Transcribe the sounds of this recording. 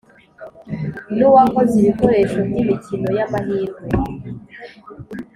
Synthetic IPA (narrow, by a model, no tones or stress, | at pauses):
nuwakoziβikoɾeʃomɲimicinojamaɦiːŋɡwe